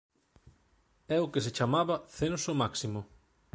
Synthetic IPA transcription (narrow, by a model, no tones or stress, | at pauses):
ɛʊkeset͡ʃamaβɐθẽnsomaksimʊ